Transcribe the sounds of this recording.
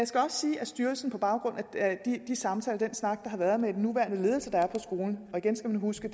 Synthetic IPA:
jɑɪsɡ̥æɒ̽sːiːʔæsd̥yɐl̩sn̩pʰɒ̽b̥ɑ̈ʊɡ̥ʁɔ̽n̰æd̥id̥isɑ̈mt͡sʰɛ̰ːləd̥ensnɑ̈ɡ̥d̥ɑ̈ɦɑ̈ʋæɐðˠmee̝dnːuʋæɐn̥əle̝ːðˠl̩səd̥ɑ̈æɐpʰɒ̽sɡ̥o̝ːln̩ɒ̽iɡ̥ensɡ̥æmænhusɡ̥ə̥

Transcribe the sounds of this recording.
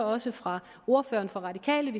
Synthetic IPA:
ɒ̽səfʁɑ̈ | o̝ɐfø̰ːɐnfɒ̽ʁɑ̈dikʰɛ̰ːləʋi

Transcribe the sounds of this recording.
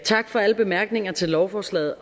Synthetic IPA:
t͡sʰɑ̈ɡ̥fɒ̽æləb̥e̝mæɐɡ̥ne̝ŋɐt͡sʰe̝lːɒʊfɒːslɛ̰ːð̩ˠ

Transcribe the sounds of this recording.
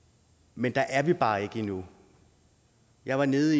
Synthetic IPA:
mend̥ɑ̈ʔæɐʋib̥ɑ̈ːe̝ɡ̥əinu | jɑ̈ɪʋɑ̈ne̝ːð̩ˠi

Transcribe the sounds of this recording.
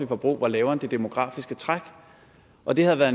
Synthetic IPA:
ifɒ̽b̥ʁṵːʋɑ̈lɛːʊɐnd̥e̝d̥emo̝ɡ̥ʁɑ̰̈ːfisɡ̥ət͡sʰʁaɡ̥ | ʔɒ̽d̥e̝hæð̩ˠʋæːɐðˠ

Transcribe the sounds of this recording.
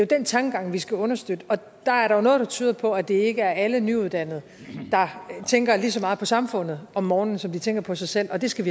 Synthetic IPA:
jod̥ent͡sʰɑ̈ŋɡ̥əɡ̥ɑ̈ŋ̰ʋisɡ̥æɔ̽nɐsd̥ød̥əɒ̽ | d̥ɑ̈æɐɾɑ̈jo̝no̽ːðˠd̥ɑ̈t͡sʰy̰ːðˠɐpʰɒ̽æd̥e̝e̝ɡ̥əæɐælənyuð̞ˠd̥æn̰ð̞̩ˠ | d̥ɑ̈t͡sʰeŋɡ̥ɐlisɒ̽mɑ̈ːð̩ˠpʰɒ̽sɑ̈mfɔ̽n̰ð̩ˠɒ̽mːɒːnn̩sɒ̽md̥it͡sʰeŋ̰ɡ̥ɐpʰɒ̽sɑ̈ɪsel̰ɒ̽d̥e̝sɡ̥æʋi

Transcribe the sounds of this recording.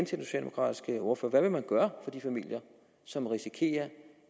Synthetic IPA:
nt͡sʰed̥enso̝ɕɛ̰l̰demo̥kʰʁɑ̰ːd̥isɡ̥əɔɐfø̰ːɐʋæʋe̝mænɡ̥ɶːɐfɒ̽d̥ifæmil̰jɐ | sɒ̽mʁisikʰe̝̰ːɐ

